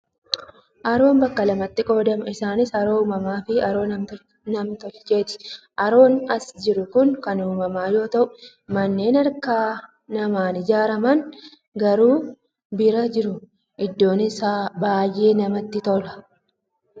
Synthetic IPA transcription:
ʔɐɾo̞ːnbɐkːɐlɐmɐt̪ːɪkʼo̞ːd̪ɐmɐɪsaːnɪsɐɾo̞ːuːmɐmaːfɪɐɾo̞ː | nɐmt̪ɔt͡ʃːe̞ːt̪ɪ̥ | ʔɐɾo̞ːnɐsd͡ʒɪɾʊkʊŋkɐnuːmɐmaːjo̞ːt̪ɐʔʊ | mɐnːe̞ːnɐɾkaː | nɐmaːnɪd͡ʒaːɾɐmɐn | ɡɐɾuː | bɪɾɐd͡ʒɪɾʊ | ʔɪd̪ːo̞ːnɪsabaːjʔeːnɐmɐt̪ːɪt̪ɔlɐ̥

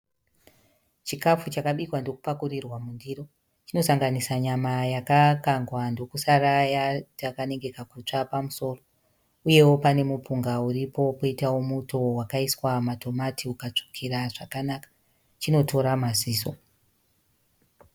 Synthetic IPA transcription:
t͡ʃikafut͡ʃakaɓikwando̞ku̥pakurirwamundiro̞ | t͡ʃino̞saŋɡanisaɲamajakakaŋɡwando̞kusarajatakane̞ŋɡe̞kakut͡ʂapamuso̞ːro̞ | uje̞wo̞pane̞mupuŋɡauɾipo̞poitawo̞muto̞wakaiswamato̞matiukat͡ʂo̥kʰiɾaʐakanakḁ | t͡ʃino̞tʰo̞ɾamaziːso̞

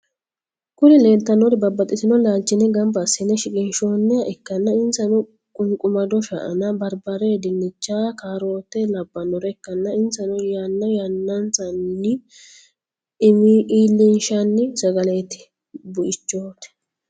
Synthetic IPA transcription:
kʊnɪle̞ːlt̪ːɐnɔɾɛbɐbːɐt̪ʼːɪt̪ɪnɔlaːlt͡ʃːɪnɛɡɐmbɐsːɪnːɛʃɪkʼɪnʃoːnːɛɐʔɛkːɐnːɐɪnsɐnɔ | kʼʊŋkʼʊmɐd̪ɔʃɐʔɐ̰nɐbɐɾbɐɾeːd̪ɪnːɪt͡ʃːaːkaːɾo̞ːt̪ːɛlɐbːɐnːɔɾɛːkːɐnːɐɪnsɐnɔjanːɐjanːɐnt͡sʼɐnːɪ | mʔiːlːɪnʃɐnːɪsɐɡɐlet̪ɪ̥ | bʊʔɪt͡ʃːoːt̪ɛ̥

